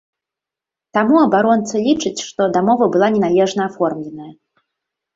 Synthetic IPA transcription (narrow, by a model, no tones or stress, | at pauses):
t̪amuɐbaɾɔnt̪sɐlʲit͡ʂɨt͡sʲʂt̪ɔd̪amɔvɐbɨlˠanʲɛnalʲɛʐnɐːfɔrmlʲɛnɐjɐ